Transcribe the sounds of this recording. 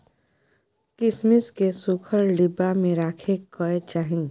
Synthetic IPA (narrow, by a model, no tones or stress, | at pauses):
kɪsmɪskesʊkʰəɾɖɪbamẽɾaːkʰekɔet͡ʃaːɦĩ